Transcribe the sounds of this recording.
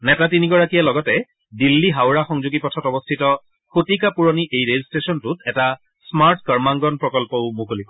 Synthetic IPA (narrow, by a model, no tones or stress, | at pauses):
nɛtatiniɡɔɹakijalɔɡɔtɛ | dilːiɦawɹaxɔŋzuɡipɔtʰɔtɔbɔstʰitɔ | xotikapuɹoniʔejɹezistesɔntʊtʰɛta | smaɹtkəɹmaŋɡɔnpɹɔkɔlpɔʊmukolikɔ